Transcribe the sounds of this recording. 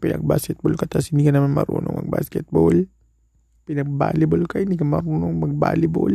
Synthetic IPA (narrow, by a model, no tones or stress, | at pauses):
pɪnɐ̰ɡ̚ba̰skɛt̪̚bolkat̪ashɪnd̪ikɐnɐmanmɐ̰ɾṵːnoŋmɐ̰ɡ̚ba̰skɛt̪̚bol | pɪnɐɡ̚ba̰ːlɪbolkahɪnd̪iːkɐmɐɾuːnoŋmɐɡ̚ba̰ːlɪbo̰l